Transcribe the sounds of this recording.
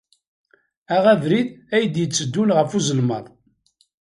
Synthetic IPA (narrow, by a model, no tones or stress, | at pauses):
æʁævɾiðæjəd̪jət͡sːəd̪ːunʁəfuzəlməðˤ